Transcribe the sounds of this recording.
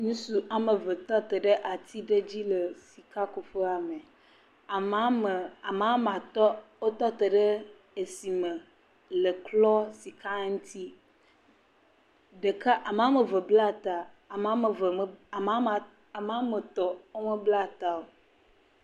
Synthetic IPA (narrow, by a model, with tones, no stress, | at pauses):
ŋũ˦su˦a˨me˨və˨t̪ɔ˦t̪e˨ɖe˦ʔa˨t̪ʰi˦ɖe˦d͡ʑi˦le˨si˨ka˦ko˨ɸe˦a˨me˨ | a˨ma˦me˨a˨m˨a˦ma˨t̪ɔ˦o˦t̪ɔ˦t̪ə˨ɖe˦ | e˨si˨me˨ | lə˨klɔ˦si˨ka˦ŋũ˦t̪i˦ | ɖe˨ka˦ʔa˨m˨a˦mə˨və˨bla˦t̪a˨ | a˨m˨a˦me˨və˨m˦a˨ma˦ma˨ | a˨m˨a˦me˨t̪ɔ˦wo˦me˦bla˦t̪a˨o˨